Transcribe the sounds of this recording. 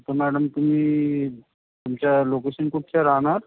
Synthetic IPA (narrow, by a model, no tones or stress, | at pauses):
t̪əɾmæɽəmt̪um̤iː | t̪umt͡ɕalokeɕənkuʈt͡ɕaɾaɦɳaɾ